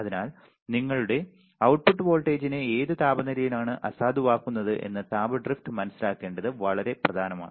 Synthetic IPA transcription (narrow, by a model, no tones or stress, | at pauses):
ɐðinaːl | niŋːɐɭuɽe̞ | ɐwʈ̚puʈːɨʋo̞ːlʈːe̞ːd͡ʑineeːðɨt̪aːbɐnɐɾijilaːɳɨʔɐ̰saːd̪ʱuʋaːkːunːɐðɨʔe̞̰nːɐt̪aːbɐɖrifʈɨmɐnɐsːilaːkːe̞ːɳɖɐðɨʋɐɭɐɾe̞prɐd̪ʱaːnɐma̰ːɳɨ